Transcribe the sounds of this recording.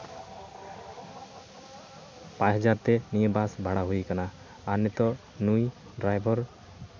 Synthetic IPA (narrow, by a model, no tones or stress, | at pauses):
pãɦɔzaɾt̪ɛnijebasbʱaɽaɦujkanaː | nɔt̪ɔ | nuj | ɖɾajbʱɔɾ